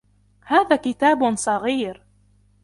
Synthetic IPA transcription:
haːðaːkɪt̪aːbsˤɑɣiːɾ

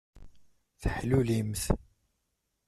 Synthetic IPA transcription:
θəħlulimθ

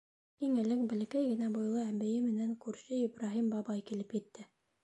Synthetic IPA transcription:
iŋɘ̆lɘŋbɘ̆l̆kæjɡɘ̆næbŏjlˠɤæmbɘ̆jɘmɘ̆næŋkʉɾɕɘibɾaɦimbɑbɑjkilɘpjɘ̆t̪ːɘ

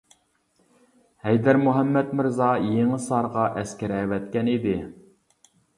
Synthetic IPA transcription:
hɛjd̪æɾmuɦɛmːɛt̪mɪɾzɑjeŋɨsɑɾʁɑʔɛskʲæɾɛwɛt̪kʲɛnid̪ɪ

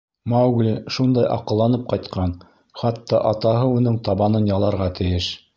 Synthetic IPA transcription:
mɑwɡlʲiʃund̪ɑjʔɑ̰qɤ̆lˠːɑnɤp̚qɑjt̪qʰɑn | χɑt̪ːɑʔɑt̪ɑɦɤunɘɴt̪ɑβɑnɤnjɑlˠɑɾʁɑt̪ʰɘ̆jɘʃ

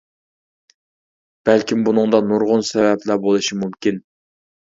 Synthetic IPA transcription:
b̥ælkʲimbunɨŋd̪ɑnuɾʁʊnsɛvɛplˠæbolˠɨʃimumkʲin

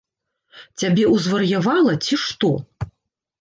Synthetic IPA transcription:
t͡sʲabʲɛuzvɐrjavalˠɐt͡sʲiʂt̪ɔ

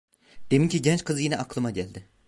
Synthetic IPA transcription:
d̪̥emincʰiɟɛnt͡ʃkʰɯzɯjinɛʔaklˠɯmaɟælʲd̪ɪ

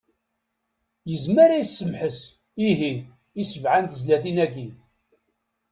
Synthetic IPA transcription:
jəzməɾajsːəmħəs | iɦi | isəvʕant̪zlæθinæɡi

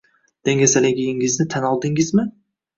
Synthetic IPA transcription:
d̪̥eŋɡʲasalɪɡʲijɪŋɪznɪt̪ʰanɒlˠd̪ɪŋɪzmɪ

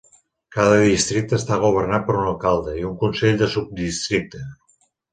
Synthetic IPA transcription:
kaðəðist̪ɾik̚t̪əːst̪aɣuβ̞ərnat̪̚pəɾunəlˠkalˠd̪əiuŋkunseʎd̪əsub̚d̪ist̪ɾik̚t̪ə

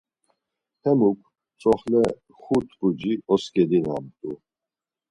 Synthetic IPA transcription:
h̪ʰɛmukʰ | t͡sʰʼɔχlɛ | χut̪ʰbud͡ʒiɔskʼɛd̪ina̰mt̪ʼu

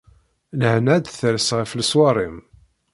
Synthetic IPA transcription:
nəhnæd̪θəɾsʁəfləswɑrˤim

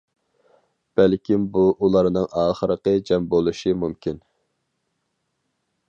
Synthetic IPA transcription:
b̥ælkʲʰimbuʔulˠɑɾnɨŋʔɑːχəɾəqəd͡ʒɛmbolˠuʃimumkʲin

